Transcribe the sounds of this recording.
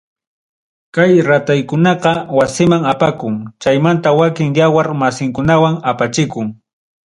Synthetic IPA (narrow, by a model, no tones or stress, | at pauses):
kajɾat̪ajkʊnɑqɑwasɪmaŋapakʊŋt͡ʃajmant̪awakɪŋjawaɾmasɪŋkʊnawaŋapat͡ʃɪkʊŋ